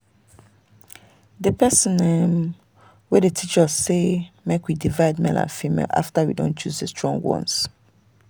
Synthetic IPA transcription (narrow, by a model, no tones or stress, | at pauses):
dəpɛsə̃nɛm | wɛdətʰit͡ʃəzːemekwidivaɪdmɛ̰lã̰nfimḛla̰ftawḭdõ̰nt͡ʃuzdəstɹ̥ɔ̃ŋɡwɔ̰̃ns